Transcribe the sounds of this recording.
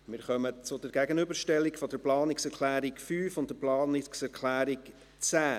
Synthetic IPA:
mɪːɾχœmət͡sʊdəɾɡæɡənybəɾʃtɛlːɪkfɔd̥əɾplɑːnɪksɛɾkʰlæːɾɪkfyːfʊnt̚dəplɑːnɪksɛɾkʰlæːɾɪk | t͡sæː

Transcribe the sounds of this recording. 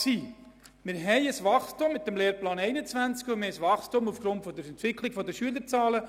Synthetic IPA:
siː | mɪɾɦɛɪəsʋɑχstumːɪt̪ːəmleːɾplɑːnɛɪnət͡svænt͡skumeəsʋɑχstʊmufɡ̥ɾʊntfɔd̪əɾɛnt̪ʋɪkʰlɪɡ̥fɔd̪əʃyələɾt͡sɑːlə

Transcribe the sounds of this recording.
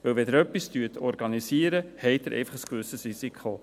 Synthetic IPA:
ʋəlvɛd̪əɾœpːistyːətʰɔɾɡɑnisiːəɾəhɛɪt̚dəɾʔɛ̰ɪfɑχəskvʏsəsɾisikʰo

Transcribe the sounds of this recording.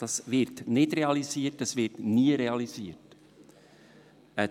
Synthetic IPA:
d̥ɑsvɪɾtnɪdɾeɑliziːətəsvɪɾtniəɾeɑliziːəɾt | ə

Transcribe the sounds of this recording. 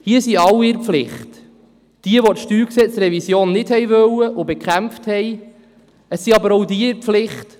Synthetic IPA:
hiəsiɑwːiɪɾpflɪχt | d̥iəʋotʃtyːksɛt͡sɾɛvisjoːnːɪthɛjvœwəʔʊbɛkχæmfthɛj | əsːiɑbəɾowdiɪɾflɪχt

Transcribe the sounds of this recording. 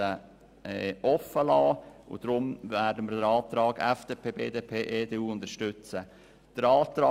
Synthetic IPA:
ə | ɛːɔfəlɑːʊ̰d̥ɾʊmvæːɾdəməɾdəɾɑːt̪ɾɑːɡɛ̰fd̥eːpʰeːbeːdeːpʰeːʔeːd̥eːuːʊnd̪əɾʃtʏt͡sə | d̥əɾɑːt̪ɾɑː

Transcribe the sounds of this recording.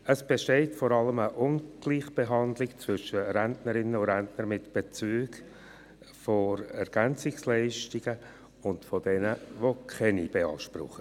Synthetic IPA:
əsb̥eʃteɪtfɔɾɑləməʔʊnɡ̥liːχb̥eɦɑndlɪkt͡svʏʃəɾæntnəɾɪnəʊɾæntnəɾmɪtb̥et͡syːɡ | foɾɛɾɡ̥ænt͡sɪkslɛɪʃtiɡ̥ə | ʊntfod̥ɛnəʋokʰχɛnib̥eɑːʃprʊ̰χə

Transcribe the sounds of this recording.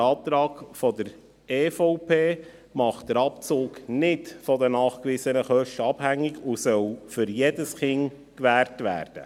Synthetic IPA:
ɑːp̚t̪ɾɑːkfɔdəɾ | eːfɔʊpʰeː | mɑχt̚d̥əɾɑpt͡sʊːknɪtfɔdənɑːχkʋɪsənəχœʃtəɑb̥hæŋːɪɡusœlfʏɾjedəsχɪŋ | kʋæːɾtʋæ̰ːɾd̥ə̰

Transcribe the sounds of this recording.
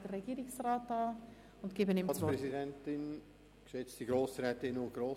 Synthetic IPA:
d̥ərːɛɡ̥iːɾɪksrɑːtːɑː | ʊnɡ̥ɪbənɪmopɾɛzidɛntɪn | kʃɛt͡stiɡɾoːsɾɛːt̪ɪnʊɡɾoː

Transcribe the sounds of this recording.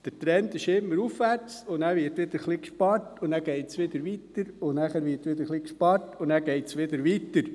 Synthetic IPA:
d̥ətɾɛntɪʃɪmːəɾufʋæɾt͡sʊnæːɾʋɪɾtʋɪd̪əɾχlikʃpɑɾtʊnæːɡ̥ɛɪtsʋɪd̪əɾʋit̪əɾʊnæχæːɾʋɪːɾtʋɪd̪əɾχlikʃpɑɾtʰʊnæːɡ̥ɛɪtsʋɪd̪əɾʋitəɾ

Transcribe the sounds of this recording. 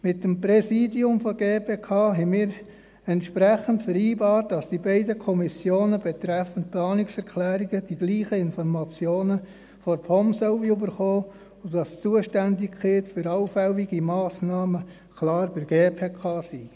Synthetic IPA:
mɪtːəmpɾɛsiːdiʊmfɔɡeːpʰeːkʰɑːɦɛɪmɪːɾ | ɛntʃpɾɛχəntfəɾiːbɑːrt̚d̥ɑsd̥ibɛɪdəkʰɔmisjoːnəbɛt̪ɾɛfənt̚plɑːnɪksɛɾkʰlæːɾiɡəd̥iɡ̥liːχəɪnfɔɾmɑt͡sjoːnə | fɔɾpʰɔmsœʊʋiybəɾχoː | ʊdɑst͡suəʃtændɪkkχɪːtfʏɾɑʊfæʊiɡimɑːsnɑːmə | kʰlɑːɾbɪɾɡeːpʰeːkʰɑːsi

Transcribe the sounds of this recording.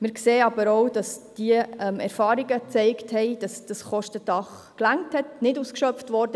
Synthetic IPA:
mɪɾkseːɑbəɾowd̥ɑsd̥iəɛmɛɾfɑːɾiɡət͡sɛɪkthɛɪd̥ɑsd̥ɑsχɔʃtədɑχ | klæŋthɛtnɪduːskʃœpftʋɔɾdə

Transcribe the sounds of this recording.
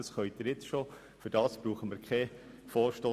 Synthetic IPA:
ɑsχœʏt̚əɾjɪt͡sʃo | fʏɾd̥ɑːsb̥ɾuːχəməɾkʰχɛ | foːɾʃtoː

